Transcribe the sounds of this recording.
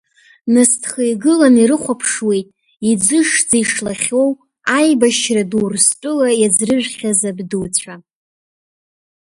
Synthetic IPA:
nɨstʰχejɡɨlaniɾɨχʷapʰʂwe̞jtʼ | id͡zɨʂd͡zejʂlaχʲo̞w | ajbaʃradwrstʷʼʊlajad͡zrɨʒᶣʷχʲazabduwt͡ɕʷʰa

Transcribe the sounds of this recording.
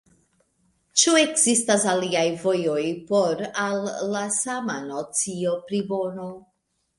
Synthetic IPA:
t͡ʃue̞kzistasaliajvo̞jo̞jpo̞ɾalːasamanot͡sio̞pɾibo̞no̞

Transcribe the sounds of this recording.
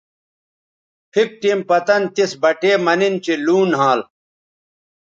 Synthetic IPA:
pʰik̚ʈimpɐt̪ɐnt̪isbɐʈeːmɐnint͡ɕiluːnɦãːl

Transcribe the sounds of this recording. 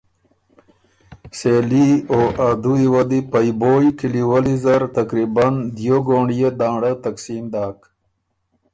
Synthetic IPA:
selioʔad̪uiwɐd̪ipajboːjkiliwəlizɐɾt̪akɾiband̪joɡoːɳijed̪aːɽat̪aksiːmd̪aːk

